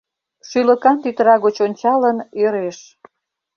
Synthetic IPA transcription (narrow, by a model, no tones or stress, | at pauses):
ʃylə̆kɑnt̪yt̪əɾɑɣot͡ɕonʲt͡ɕɑləneɾeʃ